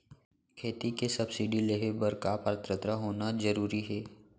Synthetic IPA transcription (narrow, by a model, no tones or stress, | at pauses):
kʰeːt̪ikesɐbsɪɖileːɦebɐɾkaːpəɾt̪ɾət̪ɾaɦoːnazəɾuːɾiɦɛː